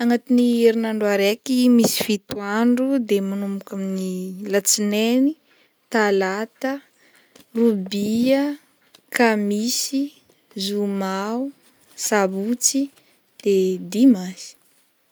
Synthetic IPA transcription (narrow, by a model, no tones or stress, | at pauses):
aŋat̪inieɾinaɳɖ͡ʐuaɾekimisi̥fit̪uaɳɖ͡ʐud̪emanumukaminilat͡sineni | t̪alat̪ə | rubiə | kamisi | zumau | sabut͡si | d̪̥ed̪imazi̥